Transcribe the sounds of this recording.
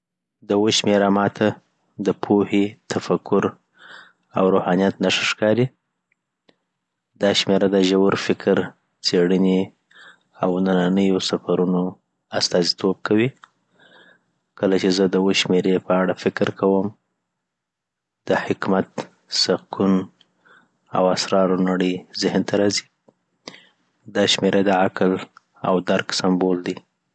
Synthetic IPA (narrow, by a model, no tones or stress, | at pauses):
d̪əwoʃmeɾamɑt̪ʰa | d̪əpʰohit̪ʰafakʊɾ | a̰wɾohɑnijat̪naʂəʃkɑɾi | d̪ɑʃmeɾad̪aʒawɾfɪkʰɾ | t͡seɽəne | awnananəjosafaɾuno | ast̪ɑzit̪ʰob̚kʰawi | kəlat͡ʃezəd̪əwoʃmeɾepəaɽafɪkɾkʰawəm | d̪̥əhɪkmat̪ | sakʰun | a̰wasɾɑɾanaɽəjzɪhnt̪aɾɑzi | d̪ɑʃmeɾʔad̪əakl | a̰wd̪aɾksambold̪i